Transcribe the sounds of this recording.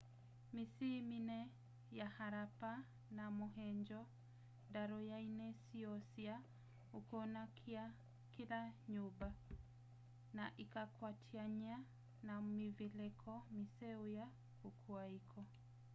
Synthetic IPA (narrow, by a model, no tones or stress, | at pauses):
misiminɛ | jahaɾapa | namoɦɛɲd͡ʒɔ | daɾɔjainɛsiɔsia | ukona | ia | kilaɲuba | naʔikakwatʰiaɲa | namivilɛkʰɔmisɛoja | kukʰwaikʰɔ